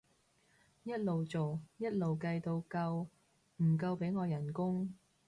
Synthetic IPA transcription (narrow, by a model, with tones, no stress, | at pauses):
jɐ˥t̚lo˨wt͡so˨wjɐ˥t̚lo˨wkɐ˧jt̪o˧wkɐ˧w | m̩˨˩k̬ɐ˧wpe˨˥jŋɔː˨˧jɐ˨˩nkʊ˥ŋ